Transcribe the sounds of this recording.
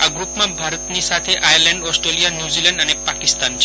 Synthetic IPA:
aɡɾupmãbʱaɾət̪nisat̪ʰeʔajəɾlɛ̃ɳɖɔsʈɾelijanjuzilɛ̃ɳɖənepakist̪ant͡ʃʰe

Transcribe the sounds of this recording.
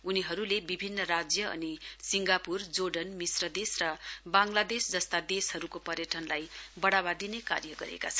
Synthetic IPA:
uniɦʌɾulebibʱinːʌrad͡zjʌʌ̰nisiŋɡapurd͡zoɖʌnmisrʌd̪esrʌbaŋlad̪esd͡zʌst̪ad̪eshʌɾukopʌɾjʌʈʰʌnlajbʌɽaβad̪ineka̰rjʌɡʌ̰ɾḛka̰t͡sʰʌn

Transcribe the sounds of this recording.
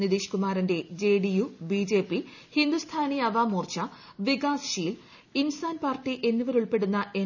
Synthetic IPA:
niðiːɕkumaːɾɐnde̞d͡ʑe̞ːɖijubiːd͡ʑe̞ːpːihind̪ust̪ʰaːniɐʋaːmuːrt͡ɕɐ | ʋiɡaːsɕiːl | insaːnpaːrʈːiʔe̞nːuʋɐɾuɭpe̞ɽunːɐʔe̞

